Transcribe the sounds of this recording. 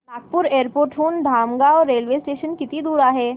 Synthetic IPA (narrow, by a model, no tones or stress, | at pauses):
laːk̚pʊɾeːəɾpoːɾʈʰɦuːnɖ̪ʱaːmɡaɔːɾːeːlʋeːsʈeːʃənkɪt̪ĩd̪uːɾaɦɛː